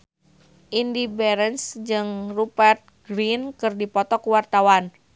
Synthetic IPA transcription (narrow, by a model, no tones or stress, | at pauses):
ʔindibɛɾənsd͡ʒɨŋrupɛrt̪̚ɡɾinkɨrdipɔt̪ɔkuwart̪awan